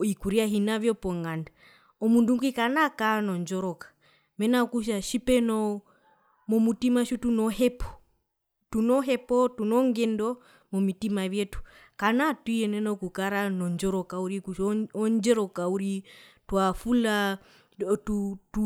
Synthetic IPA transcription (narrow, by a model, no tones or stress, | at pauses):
ikuɾiaɦinavjɔpɔŋɡanda | ɔmunduŋɡikanakanɔɲd͡ʒɔɾɔkḁ | mɛnakuʃ̬aʃipɛnɔ | mɔmutimaʃutunɔhɛpɔ̥ | tunɔɦɛpɔtunɔŋɡɛndɔ | mɔmitimaβjɛtu̥kanatwiɛnɛnɔkukaɾanɔɲd͡ʒɔɾɔkauɾikuʃɔɔɲd͡ʒɛɾɔkauɾitwafula | tutu